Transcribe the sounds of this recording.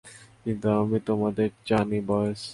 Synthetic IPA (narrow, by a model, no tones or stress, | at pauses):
kint̪uamit̪omad̪eɾd͡ʑanibɔjes